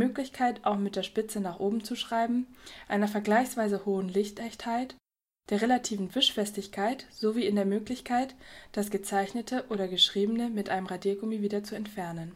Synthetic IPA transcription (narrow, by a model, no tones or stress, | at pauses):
øːklɪçkʰaɪtʔaʊxmɪt̚d̥eːɐʃpɪt͡sənaːχʔoːbm̩t͡suʃʁ̥aɪbm̩ʔaɪnɐfɛɐɡlaɪçsv̥aɪzəhoːənlɪçtɛçthaɪt | d̥eːɐʁelatʰiːvn̩vɪʃfɛstɪçkʰaɪtz̥oviːɪndeːɐmøːklɪçkʰaɪtd̥asɡ̥ət͡saɪçnətʰəʔoːɾɐɡəʃʁ̥iːbənəmɪtʔaɪnəmʁadiːɡomiviːdɐt͡suɛntfɛɐnən